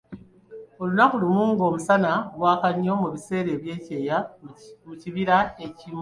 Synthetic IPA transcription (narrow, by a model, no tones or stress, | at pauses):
o̞lunaxulimuːŋɡo̞ːmusanaβwaːkaɲo̞muβise̞ːɾe̞ːβje̞ːce̞ːja | uciβiɾaecim